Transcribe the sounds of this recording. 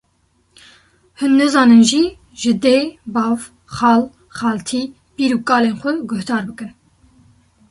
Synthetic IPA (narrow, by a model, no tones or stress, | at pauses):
hɨnːɛzɑːnɨnʒi | ʒɨd̪eːbɑːv | xɑːl | xɑːlt̪ʰiː | piːɾuːkʼɑːleːnxʷɛɡʊhd̪ɑːɾbɨkɨn